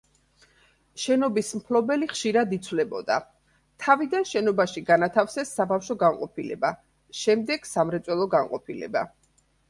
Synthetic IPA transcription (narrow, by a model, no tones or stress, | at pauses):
ʃɛnɔbismpʰlɔbɛliχʃiɾad̪it̪sʰwlɛbɔ̰d̪a̰ | t̪ʰavid̪anʃɛnɔbaʃiɡanat̪ʰafsɛsːabafʃɔɡanqʼɔpʰilɛ̰ba | ʃɛmd̪ɛɡ̥samɾɛt̪sʼwɛlˠɔɡanqʼɔpʰilɛ̰ba̰